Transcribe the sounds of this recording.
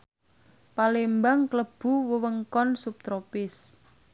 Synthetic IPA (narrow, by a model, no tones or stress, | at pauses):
palembaŋkləb̥ṳwəwəŋkɔnsup̚t̪ɾopɪs